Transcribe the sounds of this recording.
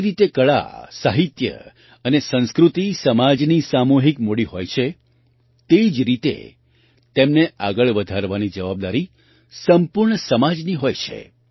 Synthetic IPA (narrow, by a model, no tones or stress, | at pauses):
ɾit̪ekəɭa̰saɦit̪jə̰ | ənesə̃nskɾut̪isəmad͡ʒnisamoɦikmoɽiɦojt͡ʃʰe | t̪eid͡ʒɾit̪ḛ | t̪emneʔaɡəɭʋəd̪ʱaɾʋanid͡ʒəʋab̚d̪aɾi | səmpuɾɳəsəmad͡ʒniɦojt͡ʃʰḛ